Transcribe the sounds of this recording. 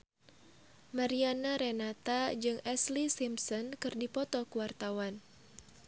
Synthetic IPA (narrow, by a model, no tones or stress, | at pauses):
maɾianaɾɛnat̪ad͡ʒɨŋɛslisimsɔnkɨrdipɔt̪ɔkuwart̪awan